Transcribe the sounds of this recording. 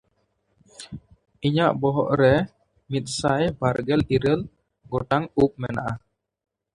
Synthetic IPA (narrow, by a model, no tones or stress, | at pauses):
iɲaʔbɔɦɔ̰ʔɾɛ | mit̪̚sajbaɾɡɛliɾəl | ɡoʈaŋup̚mɛ̰naʔa